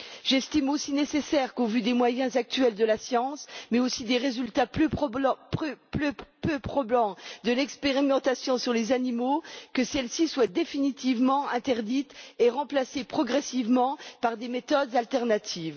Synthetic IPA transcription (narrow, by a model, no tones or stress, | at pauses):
ʒɛst̪imosinesesɛʁkovyd̪emwajɛ̃zak̚t̪ɥɛld̪əlasjɑ̃smɛosid̪eʁezylt̪apø | pløpøpχɔblɑ̃d̪əlɛkspeʁimɑ̃t̪asjɔ̃syʁlezanimokəsɛlsiswad̪efinit̪ivmɑ̃ɛ̃t̪ɛʁd̪it̪eʁɑ̃plasepχɔɡʁɛsivmɑ̃paʁd̪emet̪ɔd̪zalt̪ɛʁnat̪ʰiːv